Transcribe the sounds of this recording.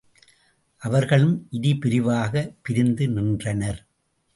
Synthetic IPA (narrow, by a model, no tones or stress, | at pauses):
ʔɐʋɐɾɣɐɭɯmʔɪðɪpɪɾɪʋaːɣɐpɪɾɪnd̪ɯnɪndrɐnɐɾ